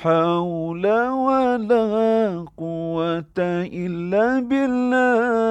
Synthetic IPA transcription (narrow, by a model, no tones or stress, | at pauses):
ħawlawalaɦaqʊwːat̪aʔɪlːaːbɪlːa